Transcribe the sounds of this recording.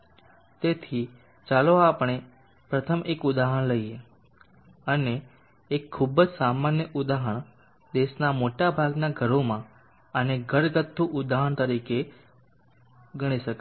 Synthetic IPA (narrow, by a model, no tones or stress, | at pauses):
t̪et̪ʰi | t͡ʃaloapəɽ̃e | pɾət̪ʰəmʔekud̪aɦəɳləie | əneː | kʰːubd͡ʒsamanjəʔud̪aɦəɳ̃ | d̪eʃnamoʈabʱaɡnaɡʱəɾomã | əneɡʱəɾɡət̪ʰːũʔʊd̪aɦəɳt̪əɾike | ɡəɽ̃iʃəke